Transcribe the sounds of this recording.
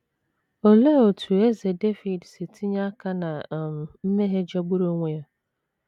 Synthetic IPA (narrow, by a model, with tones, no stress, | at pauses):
o˨le˦o˨tʰu˨e˦ze˨de˦fi˨dse˨tʰi˦ɲa˦a˦ka˦na˨m˨m̩˦me˦ɦe˦d͡ʒa˦ɡ͡bʊ˦ɾo˦ŋʷe˨ja˦